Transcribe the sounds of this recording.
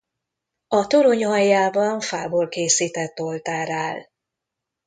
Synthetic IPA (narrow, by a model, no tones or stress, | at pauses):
ɒt̪oɾoɲɒjːaːbɒɱfaːboːlkeːsiːt̪ɛt̪ːo̞lt̪aːɾaːl